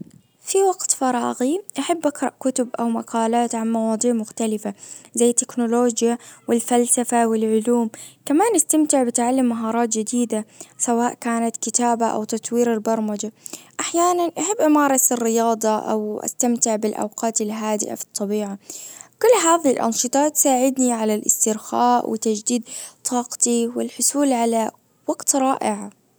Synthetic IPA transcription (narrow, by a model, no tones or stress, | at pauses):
fiwaɡt̪fɑɾˤɑːɣiʔaħabːʔaɡɾˤɑʔkʊt̪ʊbʔawmaqʰɑːlaːt̪ʕanmɑwɑːd̪ˤiːʕmʊxt̪alɪfazajːɪt̪ːɪknʊloːd͡ʒjawɪlfalsafawɪlʕʊluːmkamaːnʔast̪amt̪ɪʕbɪt̪ʕalːɪmːaɦɑːɾˤɑːt̪d͡ʒɪd̪iːd̪asawaːʔkaːnat̪kɪt̪aːbaʔa̰wt̪ɑt̪ˤwiːɾɪlbɑɾˤmad͡ʒaʔaħjaːnanʔaħabːʔɪmɑːɾˤɑsɪrːɪjɑːd̪ˤɑʔa̰wʔa̰st̪amt̪ɪʕbɪlʔa̰wqɑːt̪ɪlɦaːd̪ɪ̰ʔa̰fi̥t̪ˤːɑbiːʕakʊlːɦaːðɪhilʔɑ̰nʃɨt̪ˤɑːt̪saːʕɪd̪niʕalalʔɪ̰st̪ɪɾxa̰ːʔwɪ̰t̪ad͡ʒd̪iːd̪̚t̪ˤʰːɑːqt̪iwɪlħʊsuːlʕala | waɡt̪ɾˤɑːʔɪʕa